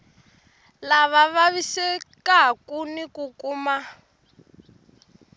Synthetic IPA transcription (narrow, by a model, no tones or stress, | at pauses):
laβaβaβisɛkakunikukuːma